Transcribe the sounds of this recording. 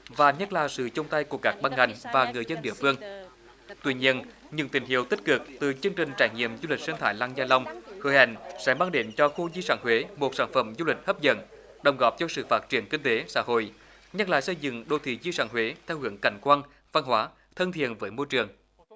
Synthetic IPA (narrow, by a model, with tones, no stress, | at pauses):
vaː˨˩ɲə˦˥t̚laː˨˩sɨ̰˧˨t͡ɕʊ˧wŋ͡mt̪a˧jku˧˩əkaː˦˥k̚ɓa˧nŋa˨˩jŋ̟vaː˨˩ŋɨ˨˩əjzə˧nɗḭ˧˨əfɨ˧əŋ | t̪wi˧˥ɲi˧ən | ɲɨ̰˧˥ŋt̪ï˧˩ŋ̟ɦḭ˨˧˩əwt̪i˦˥k̟̚kɨ˨˩k̚t̪ɨ˨˩t͡ɕɨ˧əŋt͡ɕï˨˩ŋ̟t͡ɕaː˧˩jŋḭ˧˨əmzu˧li˨˩k̚sə˧nt̪ʰaː˧˦jlaː˧ŋzaː˧la˧wŋ͡mhəː˨˦jha̰˧˩jŋ̟sɛ̰˧˥maː˧ŋɗe˨˦nt͡ɕɔ˧xu˧zi˧saː˧˩nɦwe˨˦mo˨˩t̚saː˧˩nfə˧˩mzu˧lï˨˩k̟̚hə˦˥p̚zə̰˧˥n | ɗə˨˩wŋ͡mɣɔ˨˩˥p̚t͡ɕɔ˧sɨ̰˧˨faː˦˥t̚t͡ɕi˧˩ənkï˧ŋ̟t̪e˨˦sa̰ː˧˥ɦo̰˧˨j | ɲə˦˥t̚la̰ː˨jsə˧jzɨ̰˧˨ŋɗo˨˩t̪ʰḭ˧˨˩zi˧saː˧˥nhwe˨˦t̪ʰɛ˧wɦɨ˨˧˩əŋka˧˩jŋ̟kwaː˧n | va˧nɦwaː˨˦ | t̪ʰə˧nt̪ʰḭ˧˨ənvəː˨˦jmo˧jt͡ɕɨ˨˩əŋ